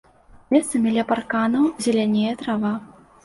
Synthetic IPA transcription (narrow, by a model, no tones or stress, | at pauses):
mʲɛst̪sɐmʲilʲɛparkanɐwzʲalʲanʲejɛt̪ɾava